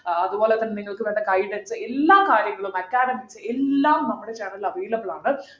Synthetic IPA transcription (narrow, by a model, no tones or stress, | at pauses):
ɐðɯpoːlɛt̪ːɐnniŋɡɐɭkːɯʋeːɳd̪ɐɡɐɪɖɐnsɨɛlːaːkaːɾjɐŋɡɐɭumɐkːaːɾɐmisɨɛlːaːmnɐmːuɽet͡ʃɐnɐlɐʋeːlɐbɯɭaːɳɨ